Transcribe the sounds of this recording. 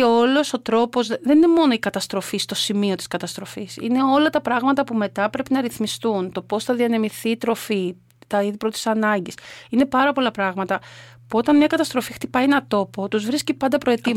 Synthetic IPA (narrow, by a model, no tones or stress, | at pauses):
eo̞lo̞so̞t̪ɾo̞po̞zðenine̞mo̞no̞ikɐt̪ɐst̪ɾo̞fist̪o̞simio̞t̪i̥skɐt̪ɐst̪ɾo̞fisḭne̞o̞lɐt̪ɐpɾɐɣmɐt̪ɐpume̞t̪ɐpɾe̞pinɐɾiθmist̪unt̪o̞po̞sθɐðiɐnemiθiːt̪ɾo̞fi | t̪ɐiðipɾot̪i̥sɐnɐɲɟisine̞pɐɾɐpo̞lɐpɾɐɣmɐt̪ɐ | puo̞t̪ɐnmɲɐkɐt̪ɐst̪ɾo̞fixt̪ipɐjenɐt̪o̞po̞t̪uzvɾiscipɐnd̪ɐpɾo̞et̪i